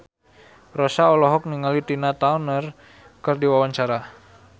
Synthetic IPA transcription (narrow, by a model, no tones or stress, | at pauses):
rɔsaɔlɔɦɔk̚niŋalit̪inat̪aunər | kərdiwawaɲt͡ʃaɾa